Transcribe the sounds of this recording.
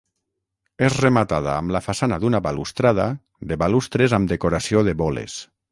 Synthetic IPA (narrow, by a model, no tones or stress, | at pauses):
ezremat̪að̞aːmlafasanaðunaβalust̪ɾað̞a̰ | d̪eβalust̪ɾezamd̪ekoɾasioðeβɔlḛs